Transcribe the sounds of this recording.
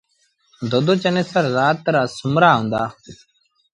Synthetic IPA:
d̪ʱoːd̪oːt͡ʃəneːsəɾːaːt̪ːəɾaːsʊmɾaːɦʊ̃ːnd̪aː

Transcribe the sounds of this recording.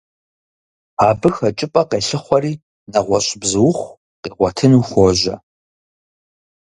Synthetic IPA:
aːbɨxɐt͡ʃʼɪpʼɐqeːɬɨχʷɔriː | nɐʁʷɔɕʼbzɨwʊχʷ | qiːʁʷɔtʰɨnuːxʷɔʒɐ

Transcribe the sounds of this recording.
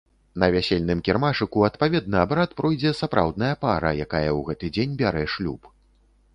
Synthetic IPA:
nɐvʲasʲelʲnɨmkʲɛrmaʂɨkuɐt̪pavʲɛd̪̚nɐːbɾat̪pɾɔjd͡zʲɛsapɾʔa̰wd̪nɐjɐpaɾɐ̰jakajɐwɣɛt̪ɨd͡zʲenʲbʲaɾɛʂlʲṵp

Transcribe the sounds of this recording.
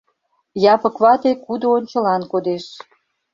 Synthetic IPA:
jɑpə̆kβɑt̪ekud̪oːnʲt͡ɕə̆lɑnkod̪eʃ

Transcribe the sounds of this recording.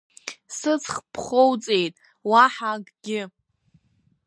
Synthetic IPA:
sɨt͡sʰχpʰχowt͡sʼejtʼ | waħaɡʼɡʲɪ

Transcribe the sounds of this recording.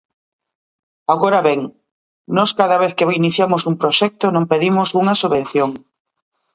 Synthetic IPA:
aɣoɾɐβɛŋ | nɔskaðɐβeθkeβoiniθjamʊsumpɾoʃɛk̚t̪ʊnõmpeðimʊsuŋɐsuβen̟θjoŋ

